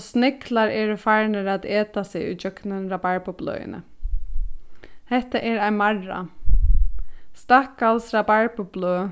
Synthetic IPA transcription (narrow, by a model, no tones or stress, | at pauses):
snɪklaɾɛːɾfaɹnəɾad̪eːt̪asɪʊ̰jt͡ʃœknɪnɾabaɹpʊblœ̰ːjɪ̰nə̰ | hɛht̪aʔɛɾajnmaɹːa̰ | st̪ahkalsɾabaɹpʊbløː